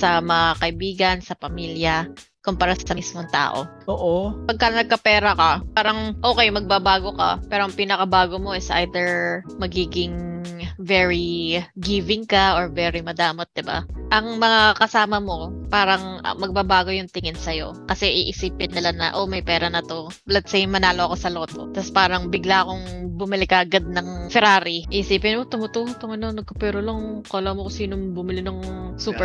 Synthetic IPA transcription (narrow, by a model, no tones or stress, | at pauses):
sɐmɐŋakɐʔɪbiːɡɐnsɐpɐmiːljɐ | kompɐɾasɐmismoŋt̪a̰ːʔo̞̰oːʔopɐɡ̚kɐnɐɡ̚kɐpɛːɾɐkɐpaːɾɐŋʔo̞ːkɛjmɐɡ̚babaːɡo̞kɐ̰pɛːɾoɐŋpiːnɐkɐbaːɡo̞mo̞ʔɪsʔa̰jd̪ɛɹmɐɡiːɡɪŋ | vɛɹiɡivɪŋkaʔoɹvɛːɾimɐd̪aːmot̪̚d̪ɪba̰ʔɐŋmɐŋakɐsaːmɐmo̞paːɾɐŋɐ̰mɐɡ̚babaːɡo̞jʊŋt̪ɪŋɪnsɐjo̞̰kɐsɛʔiʔɪsiːpɪnːɪlanɐ̰ʔomɐjpɛːɾɐnɐt̪o̞ | lɐt̪̚sɛjmːɐnaːloʔɐko̞sɐlo̞ːt̪o̞̰t̪ɐspaːɾɐŋbɪɡlaʔɐko̞ŋbʊmɪlɪkɐʔɐɡad̪̚nɐŋfɛɾaːɾiʔiʔɪsiːpɪnmot̪ʊmʊt̪uhot̪oŋɐnonːɐɡ̚kɐpɛɾoloŋkoːlɐmokosiːnoŋbʊmɪlɪnoŋsuːpɛ